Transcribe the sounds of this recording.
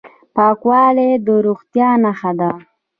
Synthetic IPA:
pɑkwɑːled̪əɾuxt̪jɑnaxad̪a

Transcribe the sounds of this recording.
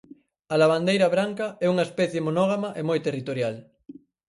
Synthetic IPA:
alaβand̪ejɾaβɾaŋkaɛuŋaespɛθjemonoɣ̞amaʔemojt̪erit̪oɾjal

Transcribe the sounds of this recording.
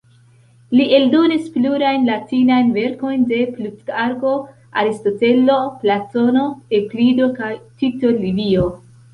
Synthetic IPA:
liʔe̞ldo̞nispluɾajnlatinajnve̞ɾko̞jnde̞plutɡaɾɡo̞ | a̰ɾisto̞te̞lo̞plato̞no̞eplido̞kajtito̞livio

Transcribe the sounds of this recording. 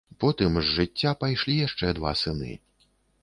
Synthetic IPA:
pɔt̪ɨmzːɨtt͡sʲːapajʂlʲijaʂt͡ʂɛd̪va̰sɨnɨ̰

